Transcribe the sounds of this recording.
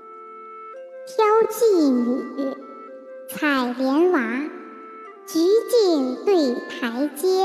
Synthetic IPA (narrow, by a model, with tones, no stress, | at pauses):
pʰjɑ˥ʊt͡ɕi˥˩ny˨˩˥ | t͡sʰa˨˩ɪljɛ˧˥nwa˧˥ | t͡ɕi˧˥t͡ɕi˥˧ŋt̪we˥˩ɪt̪ʰa˧˥ɪt͡ɕjɛ˥